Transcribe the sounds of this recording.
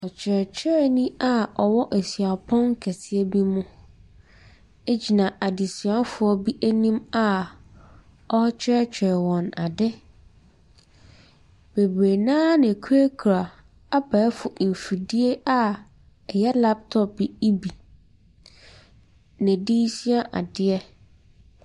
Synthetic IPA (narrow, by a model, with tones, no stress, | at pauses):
ɔ˨t͡ɕʰᶣɛ˨t͡ɕʰᶣɛ˦ɛ˦˨nĩ˦a˦ɔ˨wɔ˦ʔe˨si˨a˨pʰɔ̃˦ŋ˦kʰɛ˨sɪ˦ɛ˦bi˦mʊ̃˦ | e˦d͡ʑi˨nã˨ʔa˨di˨si˨a˦n˦fʊ˨ɔ˦bi˦ʔæ˦nĩ˦ma˦ | ɔ˦t͡ɕʰᶣɛ˦ɛ˦t͡ɕᶣɛ˨ɛ˨wɔ̃˨na˨dɛ˦ | b̥e˨bɾe˨nã˦nɪ̃˨kʰu˦e˦kʰu˨ɾa˨ | a˦ba˨ɛ˦fʊ˨ʔ̩˨fi˨di˦e˦ʔa˦ | ɛ˨jɛ˦la˦p̚tʰɔ˦p̚bi˨i˦bi˨ | nɪ̃˨diː˦si˦a˦ʔa̰˨dɪ˦ɛ˦